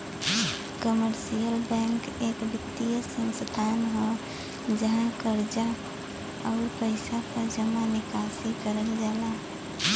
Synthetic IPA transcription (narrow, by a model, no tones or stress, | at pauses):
kəməɾsijəlbɛ̃ŋk | eːkbɪt̪ːijəsə̃nst̪ʰanɦɔ | d͡ʒəɦãkəɾd͡ʒa | ɔːɾpəɪsapəɾd͡ʒəmanɪkasikəɾəlɡɛːla